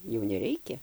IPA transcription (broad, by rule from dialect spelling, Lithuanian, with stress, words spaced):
jɛʊ nʲɛˈrʲɛɪkʲɛ